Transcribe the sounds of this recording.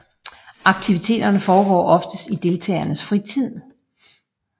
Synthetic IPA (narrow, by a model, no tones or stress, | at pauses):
ʔɑ̈ɡ̥̚t͡sʰiʋit͡sʰe̝̰ːd̥ɐnəfɒːɡ̥ɒ̰ːʔɒ̽fd̥əsd̥id̥e̝lt͡sʰɛ̰ːɐnəsfʁit͡sʰið̞̰ˠ